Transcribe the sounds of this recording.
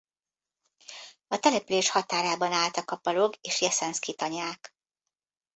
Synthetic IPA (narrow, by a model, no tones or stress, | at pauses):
ɒt̪ɛlɛpyleːʃhɒt̪aːɾaːbɒnaːlt̪ɒkɒpɒloɡeːʃjɛsɛnskit̪ɒɲaːk